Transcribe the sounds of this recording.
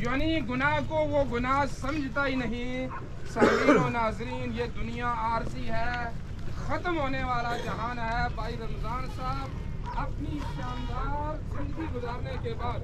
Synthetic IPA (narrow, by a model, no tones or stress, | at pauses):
jaːniɡʊnaɦkoʋoɡʊnaɦsɐ̃md͡ʒʱt̪aɦinɐɦĩ | sɐːɡiːonaːzɾiːnjed̪ʊnijaaːɾsiɦɛ | xɐt̪mɦoːneʋaːlad͡ʒɐɦaːnɦɛbaːiɾɐmzaːnsaːɦb | ɐpni | ʃaːnd̪aːɾzɪ̃nd̪əɡiɡʊzaːɾnekebaːd̪